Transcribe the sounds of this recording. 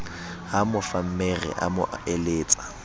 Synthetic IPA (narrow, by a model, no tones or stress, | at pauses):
ɦamʊfam̩merɛ̰ʔa̰mʊ̰ʔeleːt͡sʼḁ